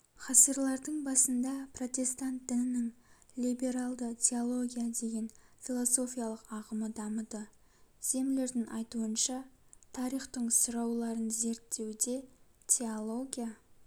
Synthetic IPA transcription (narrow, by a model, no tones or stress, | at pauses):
χɑsəɾlˠɑɾd̪əɴbɑsənd̪ɑpʰro̞t̪ʲe̞st̪ant̪̚d̪ɪnɪnɪŋ | lʲijbe̞ɾalˠd̪ət̪ʲʰe̞olˠo̞ɡʲijad̪e̞ɡʲe̞nfʲilˠo̞so̞fʲijalˠəqɑʁəməd̪ɑmət̪ə | z̥e̞mle̞ɾd̪ɪŋʔɑjt̪uənʃɑt̪ʰɑɾijχt̪əɴsʊɾɑwlˠɑɾənze̞ɾt̪ːe̞wd̪e̞ | t̪ʲʰeolˠo̞ɡʲija